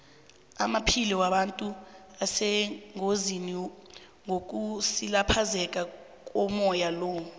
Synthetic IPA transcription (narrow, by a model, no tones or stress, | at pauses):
amapʰiliwaɓantʼu | asɛŋozini | ŋok̬ʼusilapʰazɛkʼa | k̬ʼɔmɔjalɔː